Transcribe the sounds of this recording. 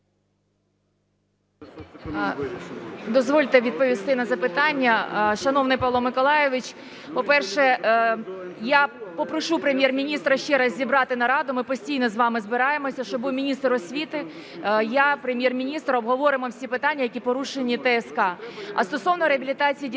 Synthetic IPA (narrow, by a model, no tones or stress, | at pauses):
d̪ɔzʋɔlʲt̪ɛʋʲid̪̚pɔʋʲist̪ɪnɐzɐpɪt̪ɑnʲːɐʃɐnɔwnɪjpɐlˠɔmɪkɔlˠɑjeʋɪt͡ʃ | pɔpɛrʃɛ | japɔpɾɔʃupɾemʲjɛrmʲinʲist̪ɾɐʃt͡ʃɛɾɐzʲzʲibɾɑt̪ɪnɐɾɑd̪ʊmɪpɔsʲtʲijnɔzʋɑmɪzbɪɾɑjemɔsʲɐʃt͡ʃɔbuwmʲinʲist̪rɔsʲʋʲit̪ɪ | japɾemʲjɛrmʲinʲist̪ɾɐɔbɦɔʋɔɾɪmɔwsʲipɪt̪ɑnʲːɐjɐkʲipɔɾuʃenʲit̪ɛɛskɑɐ̰st̪ɔsɔwnɔɾeɐbʲilʲit̪ɑt͡sʲijidʲ